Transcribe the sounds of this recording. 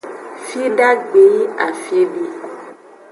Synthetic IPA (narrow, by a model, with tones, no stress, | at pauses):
fi˦ɖa˦ɡ͡be˨i˦a˨fi˦ɖi˦